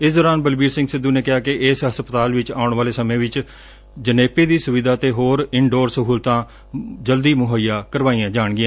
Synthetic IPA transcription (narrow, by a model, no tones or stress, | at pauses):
ɪsd̪ɔːɾaːnbəlbiːɾsɪ̃ŋɡsɪd̪ːuːneːkɪɦaːkɪʔɪsɦəspət̪aːlʋɪt͡ʃaːʊɳʋaːleːsəmẽːʋɪt͡ʃ | d͡ʒəneːpeːd̪iːsʊʋɪd̪ʱaːt̪eːɦoːɾɪɳɖoːɾsəɦuːlt̪ãː | d͡ʒəld̪iːmʊɦəːijaːkəɾʋaːiːãːd͡ʒaːɳɡɪjãː